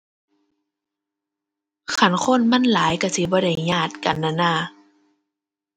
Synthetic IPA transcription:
kʰa˧˩˨nxʰo˧˥˨nma˧˥˨nlaː˨˦jka˧˩si˧˦bɔː˧˦da˧˩jɲaː˧˩t̪̚ka̰˨nːa˧˩˨naː˧˩

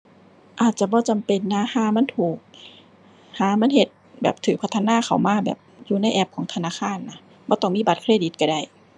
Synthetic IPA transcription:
ʔaː˨˩t̪̚t͡ɕa˧˩bɔː˧˦t͡ɕa˨mpe˨˩nːa˧˥haː˨˧˦ma˧˥˨t̪ʰuː˨˩k̚ | haː˨˦ma˧˥˨nhe˧˦t̪̚bɛ̰ː˨˩p̚t̪ʰɯː˨˦pʰa˧t̪ʰːa˧naː˧˨xʰa˨˩wmaː˧˥bɛ̰ː˨˩p̚juː˧˦na˧˥˨jʔɛː˧˩p̚kʰɔː˨˦ŋt̪ʰa˧naː˧˥˨kʰaː˧˥˨nːa˧˥ | bɔː˧˦t̪ɔ˧˩ŋmiː˧˥˨ba˨˧t̪̚kʰɾeː˧˥˨di˧˦t̪̚ka˧˩da˧˩j

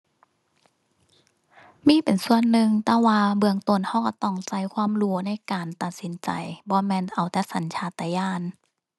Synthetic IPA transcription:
miː˧˥˨pe˨nsu˧˩ənːɯ˧ŋt̪ɛː˧˦waː˧bɯ˧əŋt̪o˧˩nha˧˩wka˧˩t̪ɔ˧˥˩ŋsa˧˩jkʰwaː˧˥˨mɾuː˧˦na˧˥˨jkaː˨˩nt̪a˨t̪̚si˨˦nt͡ɕa̰˨˩jbɔː˧˦mɛː˧˥˨nʔa˨˩wt̪ɛː˧˥sa˨˦nt͡ɕʰaː˧˥t̪ɛː˧˩jaː˧˥˩n

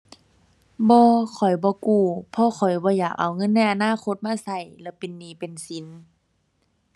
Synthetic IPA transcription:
bɔː˧kʰɔ˨˩jbɔː˧˦kuː˧˩pʰɔ˧xʰɔ˨˩jbɔː˧˦jaː˨˩k̚ʔa̰˨˩wŋɤ˧˥˨nːa˧˩jʔa˧naː˧˥˨kʰo˧˥t̪̚maː˧˥˨sa˧˩jlɛː˧˩pe˨nːiː˧˩pe˨nsi˨˦n

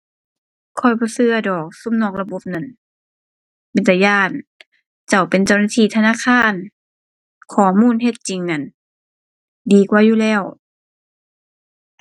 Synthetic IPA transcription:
kʰɔ˧˩jbɔː˧˦sɯ˧ɐdɔː˨˩k̚su˧˥˨mnɔː˧˩k̚la˧bo˧˦p̚na˧˩˨n | pe˨nt̪a˧jaː˧˩n | t͡ɕa˧˩wpe˨nt͡ɕa˧˩wnaː˧t̪ʰiː˧˩˨t̪ʰa˧naː˧˥˨kʰaː˧˥˨n | kʰɔː˨˩muː˧˥˨nɦe˧t̪̚t͡ɕi˨ŋna˧˩˨n | diː˨˦kwaː˧˦juː˧˨lɛː˧˩˨w

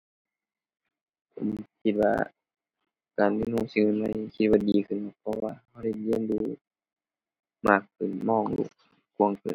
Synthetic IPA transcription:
kʰo˨mkʰi˧t̪̚wa̰ː˧ | kaː˨˩nmi˧˨nuː˧˩˨si˧ŋɯ˧˨nma˧˥˨jkʰi˧t̪̚waː˧˩diː˨˩kʰɯ˧˩˨ka˧˩pʰɔ˧waː˧ha˧˩wda˧˩jli˧˥˧ə˨nduː˧ | maː˧˩kʰːɯ˨˩˨nmɔː˧˩ŋlṵ˧˩k̚ | ku˧˨ə˨ŋkɯ̰ː˨˩n

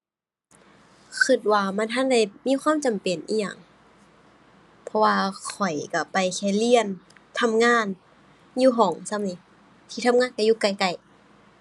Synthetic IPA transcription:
kʰɯ˧˩t̪̚waː˧ma˧˥˨nt̪ʰa˧˥˨nda˧˩jmiː˧˥˨xʰwaː˧˥˨mt͡ɕa˨˩mpe˨˩nʔḭː˧˩ja̰˧˩ŋ | pʰɔ˧waː˧kʰɔ˨˩jka˧˩pa˨jkʰɛː˧˩li˧˨ən | t̪ʰa˧˥˨mŋaː˧˥˨n | juː˧ɦɔː˩˦ŋsa˧˨mni˧˦ | t̪ʰiː˧t̪ʰa˧˥˨mŋaː˧˥˨nka˧˨juː˧˩ka˧˩jka˧˩j

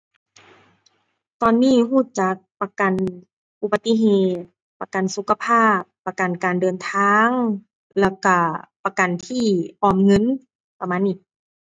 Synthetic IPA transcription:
t̪ɔː˧nːiː˧˥˩ɦuː˥˩t͡ɕa˨˦k̚pa˧ka˨n | ʔu˧˩ba˧t̪i˧ɦeː˧t̪̚pa˧ka˨nsu˨˧˦kʰa˧pʰaː˥˩pːa˧ka˨nkaː˨ndɤː˨nt̪ʰaː˧ŋ | lɛː˧˩ka˧˩pa˧ka˨nt̪ʰiː˧˥˩ʔɔː˧˩mŋɤ˧˥˨n | pa˧maː˧˥˨nʔi˧˩k̚

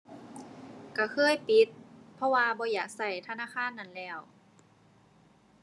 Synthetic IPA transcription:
ka˧˩kʰɤː˧˥˨jpi˨˦t̪̚pʰɔ˧˥waː˧bɔː˧˦jaː˨˩k̚sa˧˩jt̪ʰa˧naː˧˥˨kʰaː˧˥˨nːa˧˩˨nlɛː˧˩w

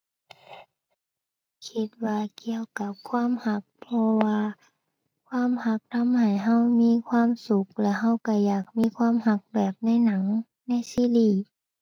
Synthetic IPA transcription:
kʰi˧˦t̪̚waː˧ki˧˨əwka˧˦p̚kʰwaː˧˥˨mha˧˦k̚pʰɔ˧waː˧ | kʰwaː˧˥˨mha˧˦k̚t̪ʰa˧˥˨mha˨˩jɦa˧˥˩wmiː˧˥˨kʰwaː˧˥˨msu˨˧˦k̚lɛ˧˥ha˧˥˩wka˧˩jaː˨˩k̚miː˧˥˨kʰwaː˧˥˨mha˧˦k̚bɛː˨˩p̚na˧˥˨jna˩˦ŋ | na˧˥˩jsiː˧˥˨liː˧˩

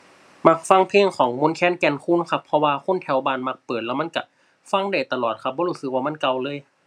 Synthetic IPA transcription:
ma˧k̚fa˧˥˨ŋpʰeː˧˥˨ŋkʰɔː˩˦ŋmo˧˥˨nkʰɛː˧˥˨nkɛː˧˨nkʰuː˧˥˨nkʰa˧˥pʰːɔ˧waː˧kʰo˧˥˨nt̪ʰɛ˧˦wbaː˧˨nma˧˩k̚pɤː˨˩t̪̚lɛ˧˩wma˧˥˨nka˧˩ | fa˧˥˨ŋda˧˩jt̪a˧lɔː˨˩t̪̚kʰa˧p̚bɔː˧˦huː˧˩sɯ˧k̚waː˧ma˧˥˨nka˧˨wlɤː˧˥˨j

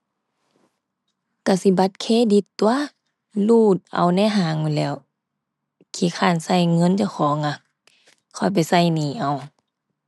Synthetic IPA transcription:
ka˧˩si˧˦ba˧˦t̪̚kʰeː˧˨di˧˦t̪ːu˧a˧˨ | luː˧˩t̪̚ʔa̰˨˩wnɛ˧˥˨ɦaː˨˧˦ŋːu˧˨lɛː˧˩˨w | kʰiː˧˩kʰaː˧˩˨nsa˧˩˨jŋɤ˧˥˨nt͡ɕa˧˩xʰɔː˨˦ŋːa˧˩k | kʰɔ˧˩jpa˨jsa˧˩˨jniː˨˩ʔa˧˦w

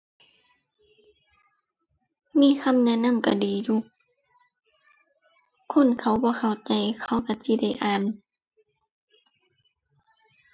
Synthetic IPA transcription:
miː˧˥˨kʰa˧˥˨mnɛ˧˥˨na˧˥˨mka˧˩diː˨˦juː˧˨ | kʰo˧˥˨nkʰa˧˩wbɔː˧˦kʰa˧˩wt͡ɕa˧˦jkʰa˧˩wka˧˩si˧˦˨da˧˩jʔaː˨n

